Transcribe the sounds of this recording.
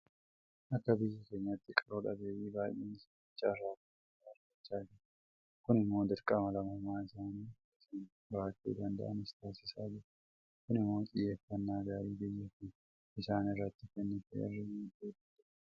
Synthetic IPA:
ʔɐkːɐbɪjːɐke̞ːɲːɐt̪ːɪkʼɐɾoᶑɐ̰beːʔiːbaːjeːnsɐɪt͡ʃːaːɾaːkɐ | aɾkɐt͡ʃːaːd͡ʒɛ | kʊnɪmːo̞ːd̪ɪɾkʼɐmɐlɐmɐmaːɪsaːniː | ɪsin | baːkʼːḛːd̪ɐnd̪ɐ̰ʔɐnɪst̪aːsɪsaːd͡ʒɛ | kʊnɪmːo̞ːt͡ʃʼɪjːefːɐnːaːɡaːɾiːbɪjːɛfɪ | ɪsaːnɪrːɐt̪ːɪfɛnːɪfɛɛ̰rːɪmt̪eːdɐt̪ː

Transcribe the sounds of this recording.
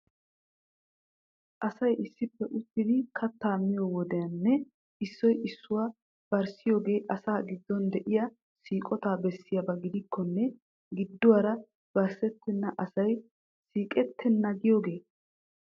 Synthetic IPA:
ʔɐsɐjɪsːɪpːɛʔʊt̪ːɪd̪ɪkʰɐt̪ːaːmɪjɔwɔd̪ɛjɐnːɛ | ɪsːɔjʔɪsːʊwa | b̥ɐɾsɪjo̞ːɡe̞ːʔɐsaːɡɪd̪ːɔnd̪ɛʔɪjɐ | siːkʼɔt̪aːbɛsːɪjɐbɐɡɪd̪ɪkʰːɔnːɛ | ɡɪd̪ːʊwaːɾɐ | b̥ɐɾsɛt̪ːɛnːɐʔɐsɐj | siːkʼɛt̪ʰːɛnːɐɡɪjo̞ːɡe̞ː

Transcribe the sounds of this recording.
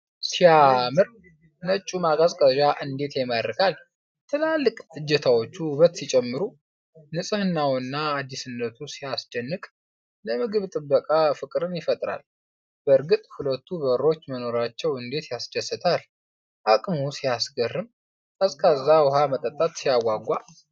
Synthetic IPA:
sijamɨɾ | nət͡ʃʼːumaɡazkʼəʒaʔɨnd̪e̞t̪jɛməɾɨkʰal | t̪ʰɨlalːɨkʼɨd͡ʒːɛt̪ʰawo̞t͡ʃːuβət̪sit͡ʃʼɛmːɨɾu | nɨsʼɨhɨnːawɨnːaːd̪ːisɨnːət̪ʰusijasd̪̥ənːɨkʼ | ləmɨɡɨβt̪ʼɨbːəkʼafɨkʼɾɨnjɪfət̪ʼɾa̰l | b̥əɾɡɨt̪ʼhulət̪ːuβəɾo̞t͡ʃːməno̞ɾat͡ʃːɛwɨnd̪e̞t̪jasd̪əsːɨt̪ʰal | ʔakʼmusijasɡərːɨm | kʼəskʰʼazːawʊɦamət̪ʼət̪ʼːat̪sijaɡaɡʷa

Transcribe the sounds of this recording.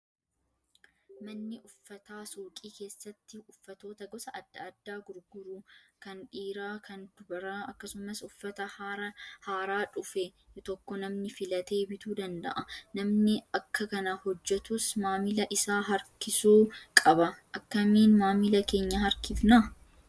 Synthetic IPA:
mɐnːɪʔʊfːɐt̪aːsuːkʼiːke̞ːsːɐt̪ːɪʊfːɐt̪o̞ːt̪ɐɡɔsɐʔɐd̪ːɐɐd̪ːaːɡʊɾɡʊɾukɐnᶑiːɾaːkʰɐnd̪̥ʊbɐɾaɐkːɐsʊmɐsʊfːɐt̪ɐɾɐhaːɾaːᶑʊfɛt̪ɔkːɔnɐmnɪfɪlɐt̪e̞ːbɪt̪uːd̪ɐnd̪ɐ̰ʔɐnɐmnɪɐkːɐkɐnɐhɔd͡ʒːɛt̪ʊsmaːmɪlɐʔɪsaːɦɐɾkɪsuːkʼɐbɐʔɐkːɐmiːnmaːmilɐke̞ːɲːɐɦɐɾkɪfna

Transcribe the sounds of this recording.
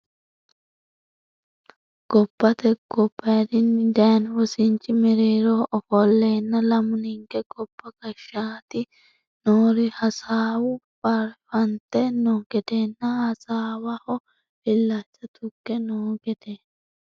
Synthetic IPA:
ɡ̥ɔpːɐt̪ɛɡ̥ɔbːɐjd̪ɪnd̪ɐjɐnwɔsɪnt͡ʃːɪmɛɾeːɾoːʔɔfɔlːeːnːɐlɐmʊnɪŋkɛɡɔpːɐɡɐʃːaːt̪ɪ | noːɾɪhɐsaːwʊbɐɾfɐnt̪ɛnoːɡɛd̪eːnːɐhɐsaːwɐhɔ | fɪlːat͡ʃːɐt̪ʊkːɛnoːɡɛd̪ɛ

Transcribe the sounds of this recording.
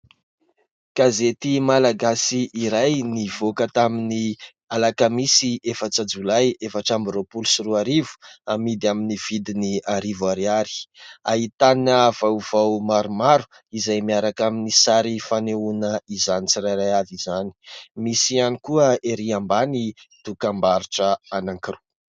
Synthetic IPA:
ɡ̥azet̪imalaɡasiʔːɾajniv̥okət̪amini | alakəmisiefat͡sad͡zulajefaʈ͡ʂambɾopulusiruaɾivu̥amid̪aminiv̥id̪iniaɾivaɾiaɾi̥aɦit̪anəvawv̥awmaɾumaɾu̥ | izajmiaɾakaminisaɾifaneunəizanit͡siɾajɾajavizani̥misianikuəeɾiambanid̪̥ukambaɾiʈ͡ʂəanaŋkiru

